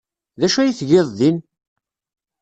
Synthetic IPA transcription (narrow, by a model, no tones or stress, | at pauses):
ðæʃæjiθʝeðˤðin